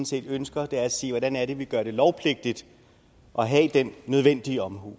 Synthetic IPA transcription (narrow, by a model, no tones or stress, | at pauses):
n̩se̝̰ːd̥ønsɡ̥ɐd̥eæɐæse̝̰ːʋɒɾænæɐɾe̝ʋiɡ̥ɶɐɾ̥e̝lɒʊpʰle̝ɡ̥̚d̥id̥ | ʔɒ̽ɦɛd̥enːøð̞ˠʋen̰d̥iəɒ̽mɦo̰ː